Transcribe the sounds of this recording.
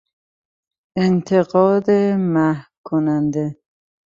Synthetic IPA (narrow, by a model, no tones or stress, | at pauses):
ent̪ʰeɣɒːd̪emæhkʰonænd̪e